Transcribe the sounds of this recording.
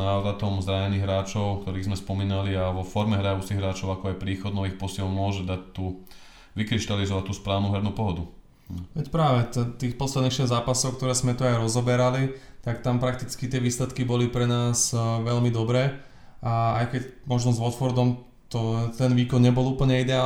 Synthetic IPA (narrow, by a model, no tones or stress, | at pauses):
aʋɾat̪ɔmzɾaɲɛniːɣɦɾaːt͡ʃɔʊkt̪ɔɾiːɣzmɛspɔmiːnaliaʋɔfɔɾmɛɦɾajut͡siɣɦɾaːt͡ʃɔʊakɔajpɾiːxɔd̪̚nɔʋiːxpɔsɪɛlmʊɔʒɛd̪ac̚t̪uː | ʋikɾiʃt̪alizɔʋact̪ːuːspɾaːʊnuːɦɛɾnuːpɔɦɔd̪u | ʋɛcpɾaːʋɛt̪ɛt̪iːxpɔt̪slɛd̪nixʃɛzzːaːpasɔʊk̚t̪ɔɾɛːzmɛt̪uajɾɔzɔbɛɾalit̪akt̪ampɾak̚t̪it͡skit̪ɪɛʋiːslɛt̪kibɔlipɾɛnaːzʋɛʎmid̪ɔbɾɛː | aajkɛcmɔʒnɔzʋɔt̪fɔɾd̪ɔm | t̪ɔt̪ɛnʋiːkɔnɲɛbɔluːpl̩ɲɛid̪ɛaː